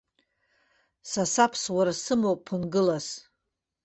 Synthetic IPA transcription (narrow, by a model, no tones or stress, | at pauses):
sasapʰswaɾasɨmowpʰɨnɡɨlas